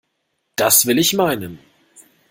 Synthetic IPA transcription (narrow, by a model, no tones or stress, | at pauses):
d̥asv̥ɪlɪçmaɪnən